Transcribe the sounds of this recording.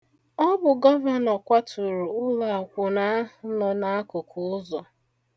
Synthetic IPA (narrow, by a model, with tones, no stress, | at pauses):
ɔ˦bʊ˨ɡɔ˦va˨nɔ˨kʷa˦tʰʊ˨ɾu˨ʊ˦la˨a˨kʷʊ˨na˦ʊ˦nɔ˨na˦a˦kʊ˨kʰʊ˨ʊ˦zɔ˨